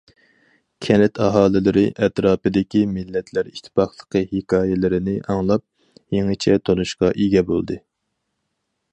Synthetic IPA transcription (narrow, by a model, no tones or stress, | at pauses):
kʲʰɛnɪt̪ʰɑɦɑːlˠɨlˠɨɾɪʔɛt̪ɾɑːpɨd̪ɪkʲimɪlːɛt̪ʰlæɾiʃt̪ʰɪ̥pɑχlˠəqʰəhekɑːjɛlɪɾɪnɪʔɑŋlˠɑp̚ | jeŋɨt͡ʃʰɛt̪ʰonuʃqɑʔiɡʲɛbo̰lˠd̪ɨ